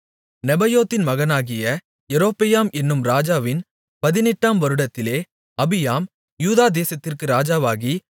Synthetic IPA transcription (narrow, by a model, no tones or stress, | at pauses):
nɛbɐjoːt̪ːɪnmɐɣɐnaːɣɪjɐ | ɛɾoːpɪjaːmɛnːɯmɾaːd͡ʒaːʋɪn | pɐðɪnɛʈːaːmʋɐɾɯɽɐt̪ːɪleː | ɐbɪjaːm | juːðaːd̪eːsɐt̪ːɪrkɯɾaːd͡ʒaːʋaːɣi